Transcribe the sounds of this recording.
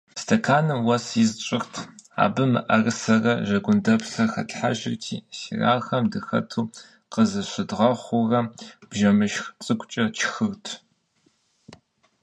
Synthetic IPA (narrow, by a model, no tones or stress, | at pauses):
stʰɐkʰaːnɨmwɐsɪzt͡ʃʼɪxtʰa̰ːbɨmɨ̰ʔɐrɨsɐrɐʒɐɡʷʊndɐpsɐrxɐ̰tħa̰ʒɪ̰rtʰḭːsḭra̰ːxɐmdɨxɐ̰tʰuː | qəzɨɕʷɪdʁɐχʷʊrɐb̥ʒɐmɨʃxt͡sʼɨkʷʼt͡ʃʼɐt͡ʃʰxɨrtʰ